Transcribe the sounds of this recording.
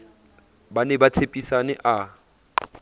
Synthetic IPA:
banɛbat͡sʰepʼisanɛʔa

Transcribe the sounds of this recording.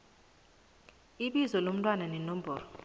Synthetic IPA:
iɓizɔlom̩tʼwananɛnom̩bɔːrɔ

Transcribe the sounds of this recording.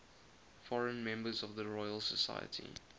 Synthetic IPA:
fɔɹə̃nmɛ̃mbəzɔvðəɹɔɪəlˠsəsa̰ɪjə̰tʰḭ

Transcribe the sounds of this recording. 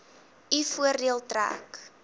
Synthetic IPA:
ifuərdiəlˠtræ̰ːk

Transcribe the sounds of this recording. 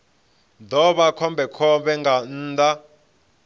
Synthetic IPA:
dʱɔɓakʰɔmbʱɛkʰɔbɛŋɡan̩ːda

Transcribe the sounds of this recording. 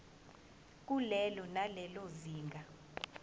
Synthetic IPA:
k̬ʼulɛlɔnalɛloziːŋɡʱa

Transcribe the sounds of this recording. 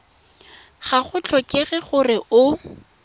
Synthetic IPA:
χaχʊt͡ɬʰɔkʼɪɣɛχʊrɪʔʊ

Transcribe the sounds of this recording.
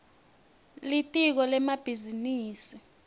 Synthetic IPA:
litʼik̬ɔlɛmab̥ʱiziniːsi

